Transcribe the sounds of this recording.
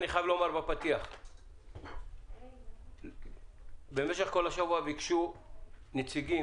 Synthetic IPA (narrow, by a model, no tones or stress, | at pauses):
niχajavleomaʁbapat̪iaχ | beme̞ʃeχko̞laʃavuaveikʃu | net͡siɡi